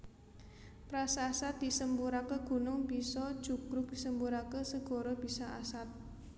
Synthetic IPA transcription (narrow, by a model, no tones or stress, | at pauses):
pɾasasat̪̚d̪̥i̤səmbuɾakəɡ̥ṳnʊŋb̥isɔd̥ʒ̥ukɾʊk̚d̪̥isəmbuɾakəsəɡ̥ɔ̤ɾɔb̥isaasat̪̚